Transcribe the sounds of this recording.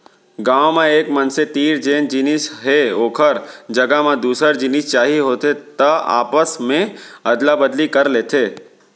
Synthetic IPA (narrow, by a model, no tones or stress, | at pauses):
ɡãːwmẽeːkmɐnset̪iːɾd͡ʒeːnd͡ʒinisɦeoːkʰəɾd͡ʒɐɡamẽd̪uːsəɾd͡ʒinɪst͡ʃaːɦiɦoːt̪et̪əa̰ːpəsmẽɐd̪labəd̪likɐɾleːt̪ʰeː